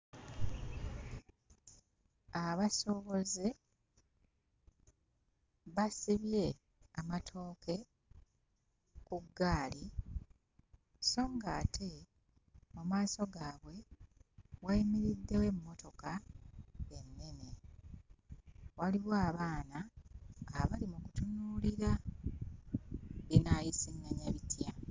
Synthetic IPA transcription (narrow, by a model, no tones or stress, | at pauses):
aβaso̞βo̞ze | βasiβje̞ | amatʰo̞ːke̞ | kuɡːaːli | so̞ːŋɡaːtʰe̞ | mumaːso̞ɡaːβwe̞ | waimiɾidːe̞we̞mːo̞to̞ka | enːe̞ne̞ | waliwoaβaːnaː | βalimukutunuːliɾa | βinaːjisiŋaɲaβitʰja